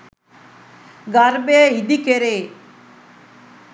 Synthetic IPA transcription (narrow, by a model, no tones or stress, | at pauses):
ɡaɾbeːid̪ikeɾe